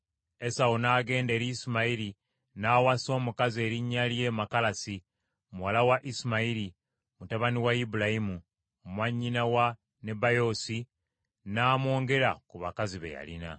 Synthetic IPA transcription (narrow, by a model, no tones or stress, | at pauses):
e̞saonaːɡe̞ːnde̞ːɾiːsimaiɾi | naːwaso̞ːmukazie̞ːɾiɲːalje̞makalasi | muwalawaʔisimaiɾi | mutaβaniwaibulaimu | mwaɲːinawa | ne̞bajo̞ːsi | naːmwo̞ːŋɡe̞ɾa̰kuβakaziβḛja̰lḭna̰